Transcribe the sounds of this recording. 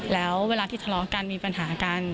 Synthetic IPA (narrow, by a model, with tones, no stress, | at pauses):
lɛː˦˥wweː˧laː˧t̪ʰiː˥˩a˧lɔː˦˥ka˧nmiː˧pa˧nɦaː˩˦ka˧n